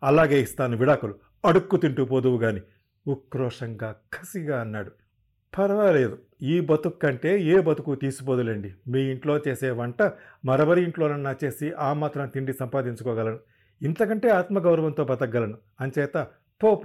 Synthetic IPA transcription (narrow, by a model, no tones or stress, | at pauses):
ɐlaːɡe̞ːist̪aːnuʋiɽaːkulu | ɐɽukːut̪iɳʈup̬od̪uʋuɡaːni | ukːɾɔːʂɐŋɡaːkʰɐsiɡaːɐnːaːɽu | pʰɐɾɐʋɐle̞ːd̪u | iːbɐt̪ukːɐɳʈe̞ːeːbɐt̪ukut̪iːsup̬od̪ulɐɳɖimiːiɳʈlo̞ːt͡ʃeːsɛːʋɐɳʈɐ | mɐɾɐʋɐɾiiɳʈlo̞ːnɐnːaːt͡ʃe̞ːsiʔaːmaːt̪ɾɐmt̪iɳɖisɐmpaːd̪iɲt͡ʃukɔːɡɐlɐnu | int̪ɐkɐɳʈe̞ːaːt̪mɐɡɐwɾɐʋɐnt̪o̞ːbɐt̪ɐɡːɐlɐnu | ɐnt͡ʃɛːt̪ɐ | poːp